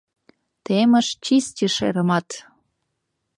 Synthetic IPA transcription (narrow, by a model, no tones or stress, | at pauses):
t̪emə̆ʃt͡ɕistʲiʃḛɾə̆mɑt̪